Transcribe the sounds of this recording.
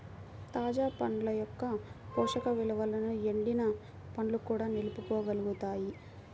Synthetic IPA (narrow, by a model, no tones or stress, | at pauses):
t̪aːd͡ʒaːpɐɳlɐjɔkːɐpɔːʂɐkɐʋilɐʋɐlɐnue̞ɳɖinɐ | pɐɳlukuːɽaːnilupukoːɡɐluɡut̪aːji